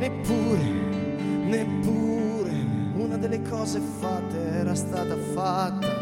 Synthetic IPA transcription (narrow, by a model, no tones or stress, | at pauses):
nepːuːɾe | nepːuːɾe | unad̪elːekʰɔːzefat̪ːeɛːɾast̪aːt̪afat̪ːa